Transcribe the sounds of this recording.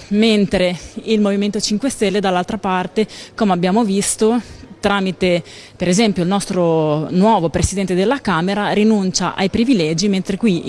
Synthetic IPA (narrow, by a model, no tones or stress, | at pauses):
ment̪ɾeilmoviment̪ot͡ʃiŋkwest̪ɛlːed̪alːalt̪ɾapart̪ekomeabːjaːmovist̪ot̪ɾaːmit̪e | peɾezɛmpjoilnɔst̪ɾonwɔːvopɾesid̪ɛnt̪ed̪elːakaːmeɾaɾinunt͡ʃa̰ʔa̰jpɾivilɛːd͡ʒiment̪ɾekwi